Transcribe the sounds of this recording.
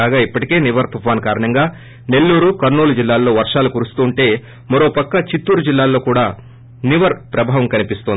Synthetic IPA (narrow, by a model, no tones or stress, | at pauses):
aːɡaːipːɐʈike̞ːniʋɐɾt̪ufaːnkaːɾɐɳɐŋɡaː | ne̞lːuːɾukɐɾnuːlud͡ʒilːaːlːo̞ːʋɐɾʂaːlukuɾust̪uːɳʈe̞ː | mɐɾo̞ːpɐkːɐt͡ʃit̪ːuːɾud͡ʒilːaːlːo̞ːkuːɽaː | niʋɐɾpɾɐbʱaːʋɐmkɐnipist̪ond̪i